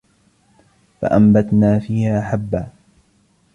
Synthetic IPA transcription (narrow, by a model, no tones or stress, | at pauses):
fa̰ʔambat̪naːfiːhaːʔaħabːaː